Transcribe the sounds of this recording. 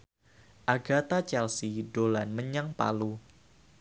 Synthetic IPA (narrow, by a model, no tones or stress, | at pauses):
ʔaɡat̪at͡ʃɛlsiɖolanməɲaŋpa̰lu